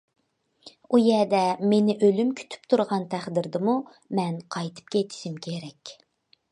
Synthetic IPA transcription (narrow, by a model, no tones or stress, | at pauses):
ujɛd̪ɛmenɪʔølymkʲʰy̥t̪ʰy̥p̚t̪ʰuɾʁɑnt̪ʰæχd̪ɪɾd̪ɪmu | mɛnqʰɑjt̪ʰɨ̥p̚kʲeet̪ʰɪ̥ʃimkʲʰeɾɛkʲ